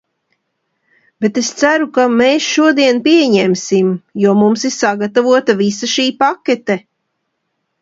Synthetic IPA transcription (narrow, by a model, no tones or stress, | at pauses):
b̥et̪est̪sæɾukameːsʃuɔd̪iɛnpiɛɲɛmsimjɔɔmumsisaɡat̪avuɔt̪avisaʃiːpakʲet̪ɛ